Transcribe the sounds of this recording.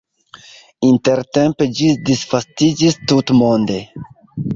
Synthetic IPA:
inteɾtemped͡ʒidisfastid͡ʒistutmonde

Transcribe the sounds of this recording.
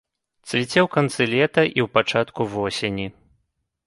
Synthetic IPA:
t̪t͡s̪ʲvʲit͡sʲɛwkant̪sɨlʲɛt̪ɐʔiwpat͡ʂat̪kuvɔsʲenʲi

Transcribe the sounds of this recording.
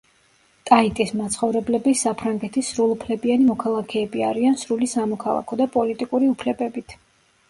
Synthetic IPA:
t̪ʼait̪ʼismat̪sʰχɔvɾɛblɛbisapʰɾaŋɡɛt̪ʰisːɾulˠupʰlɛbianimɔkʰalˠakʰɛːbia̰ɾiansɾulisamɔkʰalˠa̰kʰɔd̪apʼɔlit̪ʼikʼuɾiupʰlɛbɛbit̪ʰ

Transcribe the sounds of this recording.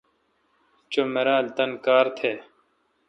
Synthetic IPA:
t͡ɕomeɾãːlt̪ɐnkaːɾt̪ʰeː

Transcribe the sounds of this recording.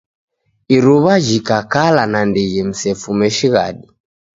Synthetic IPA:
iɾuβaʒikakalanandɛɣɛm̩sɛfumɛʃiɣa̰ɗi

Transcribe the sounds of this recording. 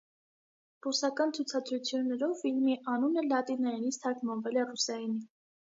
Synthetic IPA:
rusɑkɑnt͡sʰut͡sʰɑd̪ɾut͡sʰjunːɛɾɔvfilmiʔɑnunəlɑt̪inɑjinit͡sʰt̪ʰɑɾkmɑnvɛlɛrusɑjini

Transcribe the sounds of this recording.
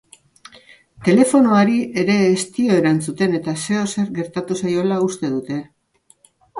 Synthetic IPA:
t̪e̞le̞fo̞noaɾie̞ɾe̞ːst̪io̞e̞ɾant͡sut̪e̞ne̞t̪ase̞o̞se̞ɾɣe̞ɾt̪at̪usajo̞laust̪e̞ðut̪e̞

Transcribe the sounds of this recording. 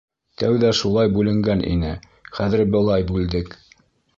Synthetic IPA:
t̪æwðæʃulˠɑjbʉlɘ̆ŋɡænʔḭnɘ | χæðɘɾbɤ̆lˠɑjbʉld̪ɘk

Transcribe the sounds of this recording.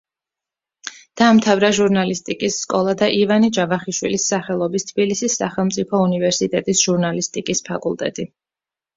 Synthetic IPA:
d̪̥aːmt̪ʰavɾaʒuɾnalist̪ʼikʼisːkʼɔlˠad̪aʔivanid͡ʒavaχiʃwḭlisːaχɛlˠɔbist̪ʰb̥ilisisːa̰χɛlˠmt̪sʼipʰɔunivɛɾsit̪ʼɛt̪ʼisʒ̥uɾnalist̪ʼikʼispʰakʼulˠt̪ʼɛ̰t̪ʼi

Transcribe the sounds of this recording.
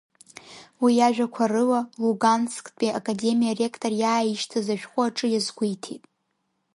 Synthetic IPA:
wijaʒᶣakʷʰarɨwaluɡanskʼpʼiʔakʼade̞mijare̞kʰtʼorjaːjiʃtʰazaʃᶣχʷʼʊaʈ͡ʂʼɨjazɡʷujtʰḛtʼ

